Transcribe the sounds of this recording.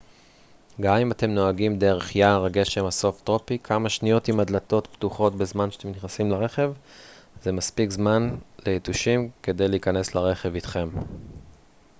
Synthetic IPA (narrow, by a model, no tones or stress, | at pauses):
ɡamimate̞mno̞aɡimd̪e̞ʁe̞χjaʁaɡe̞ʃemaso̞ftʁo̞pikʰamaʃnio̞timadlato̞tptuχo̞tbezmanʃe̥at̪emniχnasimlaʁe̞χe̞v | zemaspikzmanleituʃimke̞d̪e̞jleikane̞slaʁe̞χe̞vit̪χe̞m